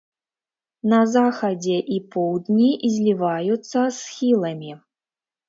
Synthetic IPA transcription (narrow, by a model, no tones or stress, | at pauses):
nɐzaxɐd͡zʲɛʔipɔwd̪nʲizʲlʲivajut̪sːɐsxʲilˠɐmʲi